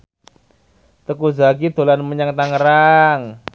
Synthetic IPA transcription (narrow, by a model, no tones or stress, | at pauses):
t̪əkuzakid̪̥o̤lanməɲaŋt̪aŋəɾaŋ